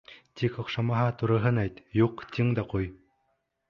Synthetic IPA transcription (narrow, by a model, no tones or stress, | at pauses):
t̪ʲikɔ̆qʃɑmɑɦɑt̪uɾɤ̆ɦɤ̆næjt̪juqt̪ʲiŋd̪ɑquj